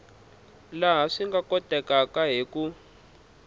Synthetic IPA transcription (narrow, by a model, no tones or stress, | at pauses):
laɦaʂiŋɡakɔtʼɛkakaɦeku